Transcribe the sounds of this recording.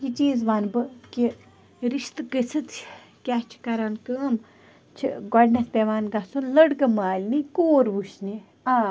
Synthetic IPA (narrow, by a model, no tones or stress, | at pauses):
jit͡ʃiːzʋanbɨki | ɾiʃt̪ɨkəsʰɨt͡s | kʲat͡ʃʰi̥kɐɾankəːm | t͡ʃʰḭɡɔɖnɐspʲeʋaːnɡɐsunləɽkɐmaːlʲnikoːɾʋuʃni | aː